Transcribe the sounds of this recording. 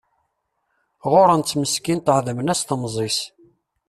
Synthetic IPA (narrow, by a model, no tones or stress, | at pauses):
ʁʊɾənt͡sːməskint̪əhðəmənæst̪mzˤis